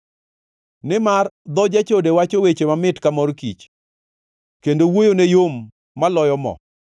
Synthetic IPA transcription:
nɪmard̪ɔd͡ʒat͡ʃodewat͡ʃowet͡ʃemamɪtkamɔrkit͡ʃ | kendowojonejomː | alɔjɔmɔ̰

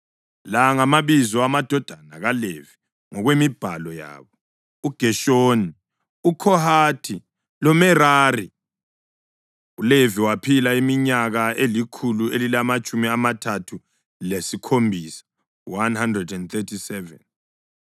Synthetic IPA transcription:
laŋamaβizɔamad̥ʱɔd̥ʱanaɣalevi | ŋɔɣwemib̥ʱalɔja̰ːβɔ | uɡ̥ʱɛʃoːni | ukʰɔhaːtʰi | lɔmɛraːri | uleviwapʰilaimiɲaɣaelikʰuluelilamat͡ʃʼumiamatʰatʰu | lesikʰombʱisḁ | wanhandrɛdɛndt̪ɛtʰisɛvɛ̰n

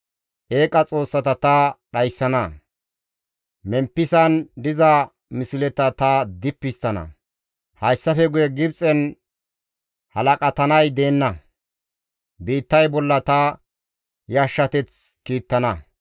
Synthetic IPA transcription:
ʔe̞ːkʼɐt͡sʼo̞ːsːɐt̪ɐt̪ɐɗɐjsːɐnɐ | mɛmpːɪsɐnd̪ɪzɐ | mɪsɪlɛt̪ɐt̪ɐd̪ɪpːɪst̪ːɐnɐ̰ | hɐjsːɐfɛɡʊjɛɡɪbt͡sʼɛn | hɐlɐkʼɐt̪ɐnɐjd̪e̞ːnːɐ | biːt̪ːɐjbɔlːɐt̪ɐ | jaʃːɐt̪ɛt͡s | kiːt̪ːɐnɐ

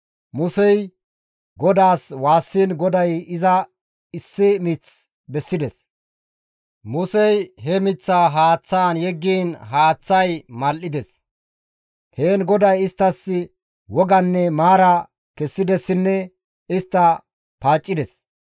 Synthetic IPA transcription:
mʊsɛj | ɡɔd̪aːswaːsːiːnɡɔd̪ɐjɪzɐ | ɪsːɪmɪt͡s | bɛsːɪd̪ɛs | mʊsɛjɦɛmɪt͡sːaːɦaːt͡sːaːnjɛɡːiːnɦaːt͡sːɐjmɐlʔɪd̪ɛs | heːnɡɔd̪ɐjɪst̪ːɐsːɪ | wɔɡɐnːɛmaːɾɐ | kɛsːɪd̪ɛsːɪnːɛ | ɪst̪ːɐ | paːt͡ʃʼːɪd̪ɛs

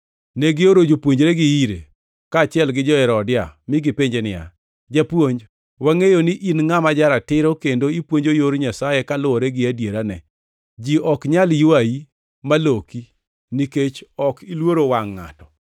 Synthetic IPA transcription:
neɡɪoɾod͡ʒopwoɲd͡ʒɾeɡɪiɾḛ | kaːt͡ʃɪɛlɡɪd͡ʒɔɛɾɔdɪamɪɡɪpeɲd͡ʒenɪa̰ | d͡ʒapwoɲd͡ʒ | waŋejoniʔinŋamad͡ʒaɾatɪɾokendoipwoɲd͡ʒojoɾɲasajekalʊɔɾɛɡɪadjeɾanɛ | d͡ʒiɔkɲaljuaji | maloki | niket͡ʃɔkilwoɾowaŋːa̰tɔ

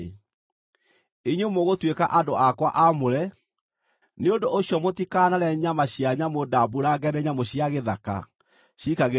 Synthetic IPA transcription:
eɲomoɣotwekaʔandoʔakwaʔamoɾɛ | neondoʔoɕjɔmotikaːnaɾɛɲamaɕiaɲamodabuɾaɡɛnɛɲamoɕiaɣeðaka̰ | ɕikaɣe

